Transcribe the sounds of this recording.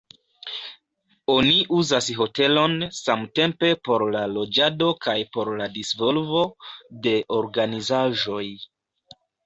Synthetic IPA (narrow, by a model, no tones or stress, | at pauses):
o̞niʔuzasɦo̞te̞lo̞nsamte̞mpe̞po̞ɾlalo̞d͡ʒado̞kajpo̞ɾladisvo̞lvo̞de̞ʔo̞ɾɡanizaʒo̞j